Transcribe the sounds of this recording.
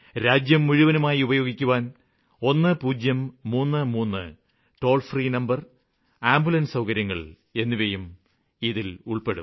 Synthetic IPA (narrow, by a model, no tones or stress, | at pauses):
ɾaːd͡ʑjɐmːuɻuʋɐnumaːjiubɐjo̞ːɡikʲːuʋaːn | o̞nːɨpuːd͡ʑjɐmːuːnːɨmuːnːɨ̰ | ʈo̞ːlfriːnɐmbɐr | aːmbulɐnsɐwkɐɾjɐŋːɐɭ | e̞nːiʋejum | iðiluɭpeɽṵ